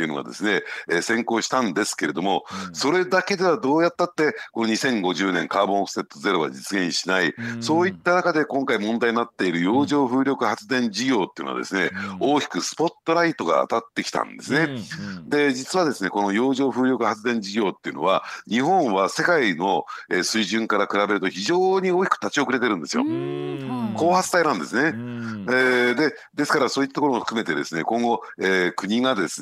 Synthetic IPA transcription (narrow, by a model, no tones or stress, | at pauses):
eiɯ̟no̰ɡa̰d̪e̞̰sɨne̞sẽ̞ŋko̞ːɕi̥t̪ãnd̪esɨ̥ke̞ɾe̞d̪o̞mo̞so̞ɾe̞d̪ake̞d̪e̞βad̪o̞ːjat̪ːat̪ːe̞ko̞noɲisẽ̞ŋɡo̞ʑɨːnẽ̞ŋkaːbõkɯ̥se̞t̪ːoze̞ɾo̞ɡa̰d͡ʑit͡sɨɡẽ̞ɰ̃ɕinaiso̞ːit̪ːanakad̪e̞kõŋkaimõnd̪aiɲinat̪ːe̞iɾɯ̟jo̞ːʑo̞ːɸɯ̟ːɾʲo̞kɯ̟hat͡sɨd̪ẽ̞ɲd͡ʑiɡʲo̞ːt̪ːejɯ̟noa̰d̪ḛsɨne̞oːkʲi̥kɯ̟sɨ̥po̞t̪ːo̞ɾait̪o̞ɡa̰ːt̪at̪ːe̞kʲi̥t̪ã̰nd̪e̞sɨne̞d̪e̞d͡ʑit͡sɨβad̪e̞sɨne̞ko̞no̞jo̞ːʑo̞ːɸɯ̟ːɾʲo̞kɯ̟hat͡sɨd̪ẽ̞ɲd͡ʑiɡʲo̞ːt̪ːeiɯ̟̰no̞̰β̞aɲiɦõ̞ɰ̃βase̞kaino̞esɨiʑɨ̃ŋkaɾakɯ̟ɾabe̞ɾɯ̟t̪o̞çiʑo̞ːɲ̟io̞ːkʲi̥kɯ̟̥t̪at͡ɕio̞kɯɾe̞t̪eɾɯ̟̃nd̪e̞sɨjo̰ | ko̞ːhat͡sɨ̥t̪ainãnd̪e̞sɨne̞ed̪e̞ | d̪e̞sɨ̥kaɾasoːit̪ːat̪okoooɸɯ̥kɯme̞t̪ed̪e̞sɨne̞̰kõ̞ŋɡo̞ | eːkɯ̟ɲiɡad̪e̞sɨ